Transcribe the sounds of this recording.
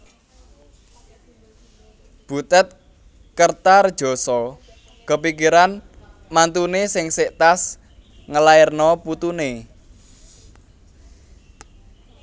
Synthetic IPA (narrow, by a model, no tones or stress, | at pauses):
b̥ṳt̪ɛt̪̚ | kərt̪ard̥ʒ̥ɔ̤sɔ | kəpikiɾan | mant̪unesɪŋsɪʔt̪as | ŋəlaɪrnɔput̪une